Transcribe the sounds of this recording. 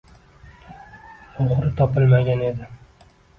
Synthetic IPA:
oχɾɪt̪ʰɒpɪlˠmaɡʲane̞d̪ɪ

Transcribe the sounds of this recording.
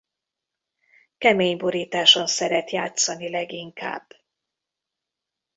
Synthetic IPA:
kɛmeːɲbo̞ɾiːt̪aːʃo̞nsɛɾɛt̪jaːt̪sɒnilɛɡiŋka̰ːb

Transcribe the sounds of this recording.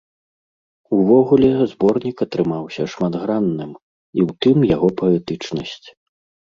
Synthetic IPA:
uvɔɣulʲɛzbɔrnʲikɐt̪ɾɨmawsʲɐʂmad̪ɣɾanːɨm | iwt̪ɨmjaɣɔpɐɛt̪ɨt͡ʂnɐsʲt͡sʲ

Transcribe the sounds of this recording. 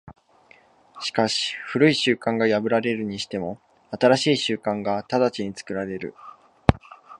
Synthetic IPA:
ɕi̥kaɕi̥ɸɯ̟ɾɯ̟iɕɨːkãŋɡajabɯ̟ɾaɾe̞ɾɯ̟ɲ̟iɕi̥t̪e̞mo̞ | at̪aɾaɕiːɕɨːkãŋɡat̪ad̪at͡ɕiɲ̟it͡sɨ̥kɯ̟ɾaɾe̞ɾɯ̟̰

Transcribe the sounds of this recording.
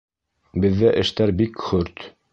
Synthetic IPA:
bɘ̆ðːæʔɘ̆ʃt̪æɾbikχɵɾt̪

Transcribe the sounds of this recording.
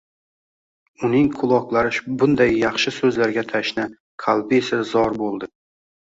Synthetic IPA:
ʊnɪŋkʰʊlˠɒqlˠaɾɪʃbʊnd̪ajːɑχʃɪsɵzlaɾɡʲat̪ʰaʃna | kʰalˠbɪesazɒɾbolˠd̪ɪ

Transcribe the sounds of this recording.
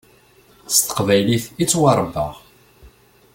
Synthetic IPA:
st̪ə̥qvæjliθit͡sːwɑɾˤvə̰ʁ

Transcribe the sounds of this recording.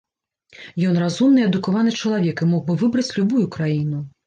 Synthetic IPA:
jɔn̪razumnɨɛd̪ukavanɨt͡ʂɐlˠavʲjɛkimɔɣbɨvɨbɾɐt͡sʲlʲubujukɾajinu

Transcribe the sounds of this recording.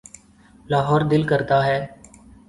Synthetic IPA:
laːɦɔːɾd̪ɪlkəɾt̪aːɦɛː

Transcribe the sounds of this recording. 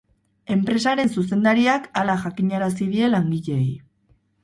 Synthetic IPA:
e̞mpɾe̞saɾe̞nsus̬e̞nd̪aɾiakalaʝakiɲaɾasið̞ie̞laŋɡiʎe̞j

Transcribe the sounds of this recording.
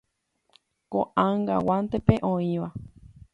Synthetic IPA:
koʔaŋɡa̰want̪epeʔõĩʋa

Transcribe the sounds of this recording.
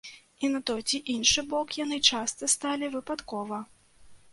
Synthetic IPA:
inat̪ɔjt͡sʲiʔinʂɨbɔkjan̪ɨt͡ʂast̪ɐst̪alʲivɨpat̪kɔvɐ

